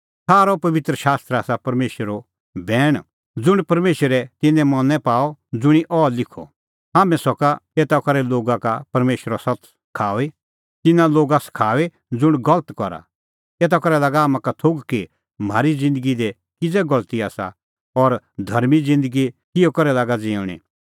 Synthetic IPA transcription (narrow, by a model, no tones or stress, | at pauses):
saːɾɔpɐʋɪt̪ɾəʃaːst̪ɾaːsapɐɾmeːʃɾo | bɛːɽ̃ | d͡zʊɽ̃pɐɾmeːʃəɾɛt̪ɪ̃nɛ̃mɔnɛpaːɔd͡zʊɽ̃iʔɔːlɪkʰɔ̰ | ɦaːmɛ̃sɔkaeːt̪akɔɾɛloːɡakapɐɾmeːʃəɾasɐt | kʰaːʋe | t̪ɪnãloːɡaskʰaːʋe | d͡zʊɽ̃ɡɐlət̪kɔɾa̰ | eːt̪̬akɔɾɛlaːɡaaːmãkat̪ʰoɡki | m̤aːɾid͡zɪ̃nd̪əɡid̪ɛ | kɪd͡zɛɡɐlt̪iaːsa̰ | ɔɾ | d̪ʱɐɾmid͡zɪ̃nd̪əɡikɪjɔkɔɾɛlaːɡad͡zĩːɽ̃ḭ